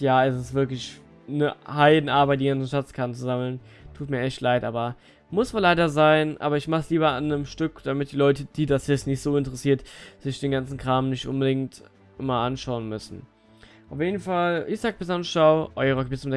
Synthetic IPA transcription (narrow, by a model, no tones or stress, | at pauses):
jaːɛsɪstv̥ɪɐklɪç | nəhaɪdn̩ʔaɐbaɪt̚diɡant͡sn̩ʃatt͡skʰaɐtn̩t͡suzaml̩n | tʰuːtmiːɐʔɛçtʰlaɪtʔaːbɐ | mʊsmalaɪdɐzaɪnʔaːbɐɪçmaχsliːbɐʔanəmʃtʏkd̥amɪt̚d̥iːlɔʏtəd̥iːdasjɛsnɪçtz̥oːɪntəʁɛsiːɐtz̥ɪçd̥eːnɡant͡sn̩kʁ̥aːmnɪçtʔʊnbədɪŋt | ʔɪmaʔanʃaʊənmʏsn̩ | ʔaʊfjeːdn̩falʔɪçz̥aːk̚bɪsanʃaʊʔɔʏəʁəɡbɪsmdɛ